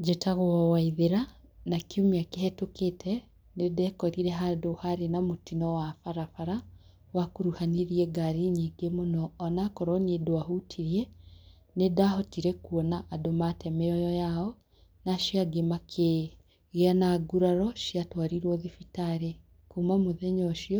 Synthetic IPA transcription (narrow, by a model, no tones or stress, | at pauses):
d͡ʒetaɣoɔwaiðeɾa | nakiomeakeɦɛtoketʰɛ | nedɛkɔɾiɾɛɦadohaɾenamotinɔwafaɾafaɾa | wakoɾuhaneɾiɛɡaɾiɲiŋɡemonɔːnakɔɾɔniedoaɦutʰiɾiɛ | nedaɦɔtiɾɛkuɔnaʔadomatɛmɛɔjɔjaɔ | naʃiaɡemakʰe | ɣeanaɡuɾaɾɔʃiatwaɾiɾwɔðifitaɾe | kumamoðɛɲɔʃiɔ